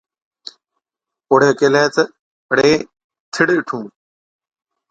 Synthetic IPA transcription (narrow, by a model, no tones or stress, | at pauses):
oːɽ̤eːkeleːt͡sə | əɽeː | t̪ʰɪɽɪʈʰũː